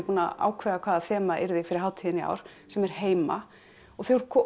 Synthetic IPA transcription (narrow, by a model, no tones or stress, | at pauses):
puːnaa̰ːwkʰvɛːðakʰvaːðaθɛːmaʔɪ̰ɾðɪfɪɾɪɾ̥ɦaːwt̪ʰiðɪnia̰wɾ̥ | sɛmɛɾ̥heːjma̰ | ɔɣθeɣʏɾkʰɔ